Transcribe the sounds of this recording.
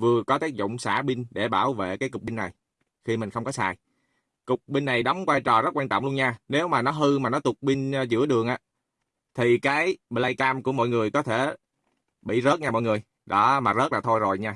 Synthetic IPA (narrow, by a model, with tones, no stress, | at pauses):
vɨ˨˩əkɔ˨˦t̪i˦˥k̚zʊ̰˧˨wŋ͡msa̰ː˧˩ɓi˧nɗe˧˩ɓaː˧˩wvḛ˧˨kaː˨˦jkʊ˨˩k͡p̚ɓï˧ŋnːa˨˩j | xi˧mi̟˨˩xə˧wŋ͡mkɔ˨˦saː˨˩j | kʊ˨˩k͡p̚ɓï˧ŋːa˨˩jɗɔ˨˦wŋ͡mkwaː˧jt͡ɕɔ˨˩zə˦˥t̚kwaː˧ntt͡ɕɔ̰˧˨ŋ͡mlənɲaː˧ne˨˦wmaː˨˩nɔ˨˦ɦɨ˧maː˨˩nɔ˨˦t̪ʊ˨˩k͡p̚ɓi˧n˧zɨ̰˧˥əɗɨ˨˩əŋʔa̰ː˨˦ | t̪ʰi˨˩kaː˨˦jɓlaː˧jkaː˧mku˧˩əmɔ̰˧˨jŋɨ˨˩əjkɔ˨˦t̪ʰe˧˩ | ɓḭ˧˨zəː˦˥t̚ɲaː˧mɔ̰˧˨ŋɨ˨˩əj | ɗɔ˨˦maː˨˩zə˦˥t̚laː˨˩t̪ʰo˧jzo˨˩jɲaː˧